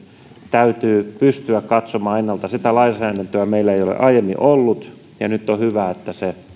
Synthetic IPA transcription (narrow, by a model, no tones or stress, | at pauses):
t̪æyt̪yːpyst̪yækkɑt̪somɑːenːɑlt̪ɑsit̪ælɑisɑænent̪øæmeilːæeijolḛʔɑijemːḭʔolːut̪ | jɑnyt̪ːohyʋæet̪ːæse